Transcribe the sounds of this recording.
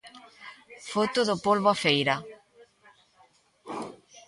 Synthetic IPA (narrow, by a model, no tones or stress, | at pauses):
fot̪ʊðʊpolβoafejɾa